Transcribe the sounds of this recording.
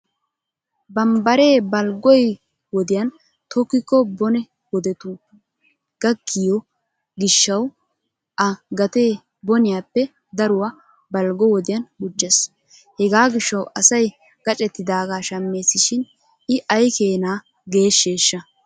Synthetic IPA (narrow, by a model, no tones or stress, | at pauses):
bɐmbɐɾe̞ːbɐlɡɔj | wɔd̪ɪjɐn | t̪ʰɔkːɪkːɔbɔnɛ | wɔd̪ɛt̪u | ɡ̥ɐɡːɪjɔ | ɡɪʃːɐw | ʔɐɡɐt̪eː | bɔnɪjaːpːɛ | d̪ɐɾʊwa | bɐlɡɔwɔd̪ɪjɐnʔʊd͡ʒːɛs | hɛɡaːɡɪʃːɐwɐsɐj | ɡ̥ɐt͡ʃʼɛt̪ːɪd̪aːɡaːʃɐmːe̞ːsɪʃɪn | ɪʔɐjkeːnaː | ɡe̞ːʃːe̞ːʃːɐ